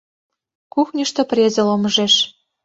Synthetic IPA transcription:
kuxnʲəʃt̪ŏprʲezeloməʒeʃ

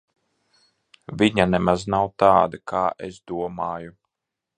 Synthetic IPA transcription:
vʲiɲanɛmaznawt̪aːd̪akʰaːʔesd̪uɔmaːju

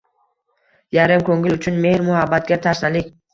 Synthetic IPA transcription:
jaɾɪmkʰoŋɡʲɪlʊt͡ʃʰʊnme̞hɾmʊhabːat̪̚ɡʲat̪ʰaɾsnalɪkʲ

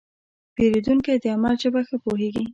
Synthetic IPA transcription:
peɾed̪uŋked̪əamalʒəbaxəpoɦeɡi

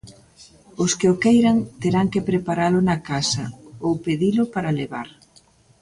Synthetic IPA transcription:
ʊskɪʊkejɾɐŋt̪eɾaŋkepɾepaɾalʊnɐkasɐ̰owpeðilʊpaɾaleβa̰ɾ

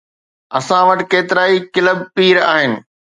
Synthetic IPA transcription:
ɐsãʋɐʈɪkeːt̪ɪɾaːikɪləb̚piːɾaːɦɪnɪ̆

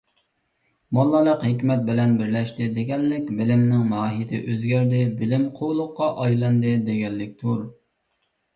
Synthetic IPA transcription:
mɑlˠːɑləqɦɪkʲmɛt̪̚bɪlɛnbɪɾlɛʃt̪ɪd̪ɪɡʲɛlːɪkʲbɪlɪmnɪŋmɑːɦijt̪ʰɪʔøzɡʲæɾd̪ɪbɪlɪmqʰowlˠʊqːɑʔɑjlˠɑnd̪ɨd̪eɡʲɛlːɪk̚ʲt̪ʰuɾ

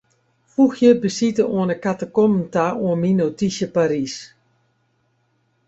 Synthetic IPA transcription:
fuxjəbəsitəoənəkatəkomn̩taoənminotisjəpaɾis

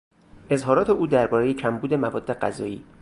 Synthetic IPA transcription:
ʔe̞zɦɒːɾɒːt̪ʰe̞uːd̪æɾbɒːɾe̞jecʰæmbuːd̪e̞mævɒːd̪ːe̞ɢæzɒːiː

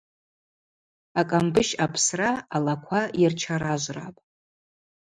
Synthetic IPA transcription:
akʼambɨʃapʰsraːlakʷʰajart͡ʃʰaɾaʒʷra̰pʼ

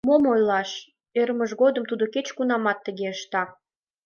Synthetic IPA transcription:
momojlɑʃ | eɾməʒɣod̪əmt̪ud̪oket͡ɕkunɑmɑt̪ːəɣeəʃt̪ɑ

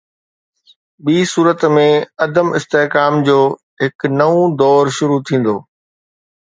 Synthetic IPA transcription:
ɓiːsuːɾət̪mẽɐd̪əmɪst̪eɦkaːmd͡ʑoː | ɦɪknɐũd̪ɔːɾʃʊɾut̪ʰĩːn̆d̪oː

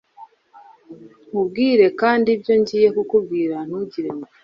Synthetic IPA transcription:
ubɡiːɾe̞kaːndibjo̞ɲɟiːje̞kukub̚ɡiːɾan̥uɟiɾemo

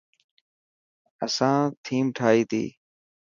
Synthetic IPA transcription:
əsãːt̪ʰiːmʈʰaːiːt̪ʰḭː

